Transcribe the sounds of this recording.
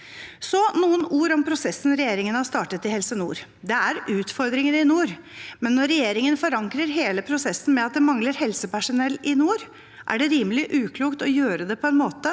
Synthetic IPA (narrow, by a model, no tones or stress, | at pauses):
sɔnuːənuːɾɔmpʰɾʊsɛsn̩ɾɛjeːɾɪŋənhɑɾʂt̪ɑːʈət̪ɪhɛlsənṵːɾ | d̪ɛæɾʉːt̪fɔɾd̪ɾɪŋənɪnuːɾmɛnːɔːɛjeːɾɪŋənfɔɾɑŋkɾəɾɦeːləpʰɾʊsɛsːn̩mɛɑt̪̚d̪ɛmɑŋləɾhɛlsəpæʂʊnɛlːɪnuːɾ | ʔæ̰ɖɛɾiːməlɪʔʉːkʰluːkt̪ɔjøːɾəd̪ɛpʰɔɛnmoːt̪ə